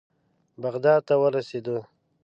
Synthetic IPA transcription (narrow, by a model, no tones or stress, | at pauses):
baɣd̪ɑd̪̚t̪awəɾased̪o